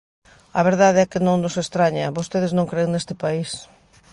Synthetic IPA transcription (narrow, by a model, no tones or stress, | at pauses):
ɐβ̞eɾðaðeɛkɪnõŋnʊsest̪ɾaɲɐβost̪eð̞ɪznõŋkɾeeŋnest̪ɪpais